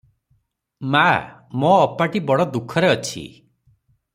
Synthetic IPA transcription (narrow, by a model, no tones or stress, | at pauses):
mamoːpaʈibɔɽɔd̪ukʰɔɾeɔt͡ʃʰḭ